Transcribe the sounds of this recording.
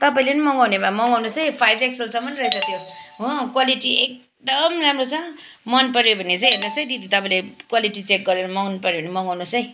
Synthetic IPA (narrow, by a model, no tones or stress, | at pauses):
t̪ʌpaĩlenimʌŋɡawnebamʌŋɡawnosʌjpʰajbeksʌlsʌmːʌnɾʌisʌt̪joɦokwaliʈiek̚ | d̪ʌmramrot͡sʰʌ̃ | mʌnpʌɾjobʱʌnːet͡sʌ̃j̃ɦernosʌj̃d̪id̪it̪ʌpaĩlekwaliʈit͡sek̚ɡʌɾeɾʌmʌŋnpʌɾjobʱʌnimʌŋɡawnosʌj̃